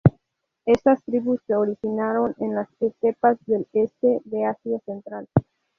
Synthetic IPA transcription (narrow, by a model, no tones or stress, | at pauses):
e̞st̪ast̪ɾiβusːe̞oɾixinaɾo̞nenlasestepazðe̞lest̪e̞ðe̞asjase̞nt̪ɾal